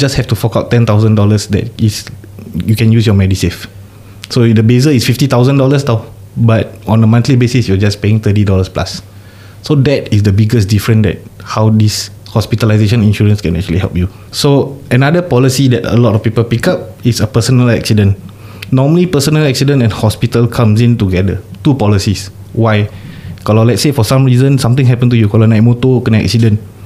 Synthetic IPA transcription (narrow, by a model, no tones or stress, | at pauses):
d͡ʒashɛftufɔkaʊtːɛ̃nt̪aʊzə̃ndɔləsdɛ̰t̚is | jukɛ̃njus̬jɔmɛdisef | sõdəbezəisfiftit̪aʊzə̃ndɔləsta | bat̚ɔ̃nəmãnt̪libesisjuəd͡ʒaspeɪ̃ŋt̪ət̬idɔləspla̰sː | odɛtisdəbiɡəsdifɹə̃ndɛ̰t̚hawdis | hɔspitəlazeʃə̃nĩnʃuɹə̃nskɛ̃nɛ̰k̚t͡ʃuə̰liɦɛ̰lp̚ju | soənadəpɔlisidɛtə̰lɔtɔfpipəlpikap̚itsəpəsənəlɛ̰ksidə̃nː | ɔməlipəsənəlɛksidə̃nɛ̃nhɔspitəlkʰãmsĩntuɡɛdətupɔlisis | waɪkɔlɔlɛt̚sefɔsãmɹizə̃nsãmt̪ĩŋɦɛpə̃nt̬ujukɔlənajt̚motokənɛ̰k̚sidə̃n